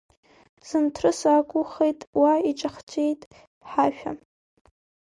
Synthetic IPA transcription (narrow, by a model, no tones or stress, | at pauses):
z̥ɨntʰrɨsakʷʼʊχejtʼwaiʈ͡ʂʼaχt͡ʃʷʼe̞jtʼ | ħaʃᶣa̰